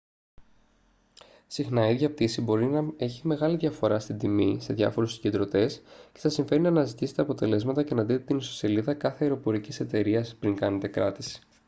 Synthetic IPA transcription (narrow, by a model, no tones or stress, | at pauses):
sixnɐiðʝɐp̚t̪isibo̞ɾinɐe̞çime̞ɣɐliðʝɐfo̞ɾɐst̪ind̪imise̞ðʝɐ̰fo̞ɾusi̥ɟed̪ɾo̞t̪e̞sceθɐsiɱfe̞ɾinɐːnɐzit̪ise̞t̪eɐpo̞t̪e̞le̞zmɐt̪ɐce̞nɐd̪it̪et̪iniso̥se̞liðɐkɐθeɐeɾo̞po̞ɾicise̞t̪e̞ɾiɐspɾiŋkɐne̞t̪e̞kɾɐt̪isi̥